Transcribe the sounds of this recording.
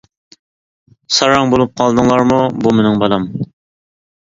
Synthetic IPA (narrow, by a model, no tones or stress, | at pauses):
sɑɾɑŋbolˠup̚qʰɑlˠd̪ɨŋlˠɑɾmubumenɪŋbɑlˠɑm